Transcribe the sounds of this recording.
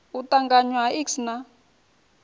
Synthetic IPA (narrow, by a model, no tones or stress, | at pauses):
utaŋɡaɲwaiksna